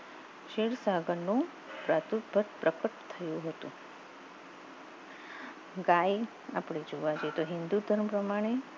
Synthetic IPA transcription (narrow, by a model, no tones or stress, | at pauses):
ʃeɽsaɡənːũ | pɾat̪ut̪bʱət̪pɾəkəʈt̪ʰəjũɦət̪ṵ̃ | ɡaj | a̰pɽed͡ʒoʋad͡ʒet̪oɦɪnd̪ud̪ʱəɾmpɾəmaɽ̃e